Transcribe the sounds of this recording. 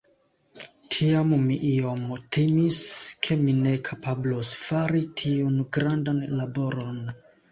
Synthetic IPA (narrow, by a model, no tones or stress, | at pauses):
tʰiammiʔio̞mtʰimiskʰe̞mine̞kʰapablosfaɾitʰiunɡɾandanlabo̞ɾon